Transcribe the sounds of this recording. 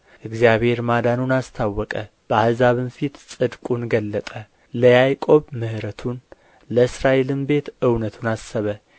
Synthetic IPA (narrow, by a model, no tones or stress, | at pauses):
ʔɨɡzjaβhe̞ɾmad̪anunast̪ʰawːɔkʼə | b̥əahzaβɨnfit̪sʼɨd̪kʼunɡəlːət̪ʼə | ləjajkʼo̞βmɨhɾət̪ʰun | ləɨsɾaʔe̞lɨmbe̞t̪ɨwnət̪ʰunasːəβə